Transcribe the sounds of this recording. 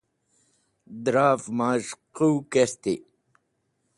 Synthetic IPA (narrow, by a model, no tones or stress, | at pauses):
d̪ɾaːfmaːɕquwkest̪i